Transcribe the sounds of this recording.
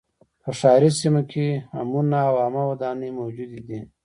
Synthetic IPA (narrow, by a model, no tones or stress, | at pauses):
pəʂɑːɾisimakʰea̰munaːwamawad̪ɑːnimowd͡ʒud̪id̪i